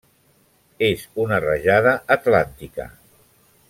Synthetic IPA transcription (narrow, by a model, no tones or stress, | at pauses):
ezunərəʒaðəʔːt̪lant̪ikə̰